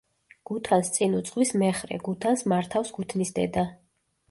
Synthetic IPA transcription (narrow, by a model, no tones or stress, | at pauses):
ɡ̥ut̪ʰanst̪sʼinut̪sʼχʼwismɛχɾɛ̰ɡut̪ʰansmaɾt̪ʰafsɡut̪ʰnisd̪ɛ̰d̪a